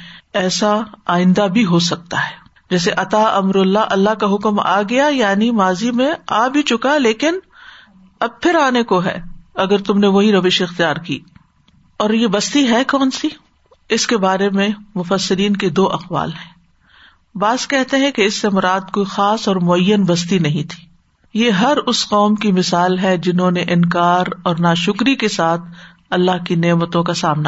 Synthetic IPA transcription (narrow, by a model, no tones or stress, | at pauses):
ɛːsaaːɪ̃nd̪abʱiɦos̬ɐk̚t̪aɦɛː | d͡ʒɛːs̬eʔɐt̪aɐmɾɐlːaʔɐlːaɦkaɦʊkma̰ːɡɐjajaːnimaːzimẽa̰ːbʱit͡ʃʊkaleːkɪn | ɐb̚pʰɪɾaːnekoɦɛ̰ːɐɡəɾt̪ʊmneʋoɦiɾɐʋɪʃɪxt̪ijaːɾkḭː | ɔːɾjebɐst̪iɦɛkɔːnsi | ɪskebaːɾemẽmʊfəsːɪɾiːnked̪oːʔɐqʋa̰ːlɦɛ̃ː | baːzkɛɦt̪eɦɛ̃keɪsːemʊɾaːd̪̚koːixaːsɔːɾmʊɐjːənbɐs̬t̪inɐɦĩt̪ʰi̥ː | jeɦɐɾʊsqɔːmkimɪsaːlɦɛd͡ʒɪnɦõneʔɪ̃nkaːɾɔːɾnaːʃʊkɾikesaːt̪ʰ | ɐlːaɦkineːmət̪õkasaːmna